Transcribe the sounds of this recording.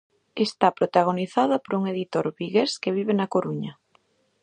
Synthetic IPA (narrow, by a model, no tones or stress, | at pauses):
est̪apɾot̪aɣ̞oniθaðɐpoɾuŋeðit̪oɾβiɣeskeβ̞iβenɐkoɾuɲɐ